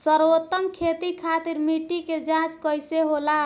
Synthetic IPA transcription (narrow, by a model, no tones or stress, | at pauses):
səɾot̪ːəmkʰet̪ikʰat̪iɾmiʈːiked͡ʒãt͡ʃkəjseɦola